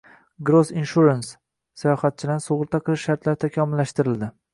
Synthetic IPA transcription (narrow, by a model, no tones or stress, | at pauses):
ɡɾozinʃuɾansː | ajɒχat̪̚t͡ʃʰɪd̪ansoʁɨɾt̪ʰaqʰɨlˠɪʃːaɾt̪laɾɪt̪ʰakʲʰɒmɪlːaʃt̪ɪɾɪld̪ɪ